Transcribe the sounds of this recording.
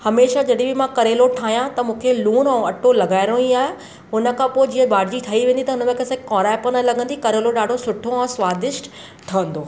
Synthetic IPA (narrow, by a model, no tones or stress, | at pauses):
hɐmeːʃad͡ʑɐɗĩbɪmãkɐɾeːloʈʰaːɦijãt̪ɐmũːkʰeluːnɛ̃ɐʈolɐɡaːɪɾõiaːɦe | ʊnə̆kʰãpoːɪd͡ʑiɦə̃baːɽd͡ʑiʈʰɐiʋẽːnd̪it̪ɐʊnə̆mẽkɐsẽkɔ̃ːɾaːpɐnəlɐɡə̃nd̪ikɐɾeːloɗaːɖʱosʊʈʰoɛ̃ːswaːd̪ɪʃʈ | ʈʰɐə̃nd̪oː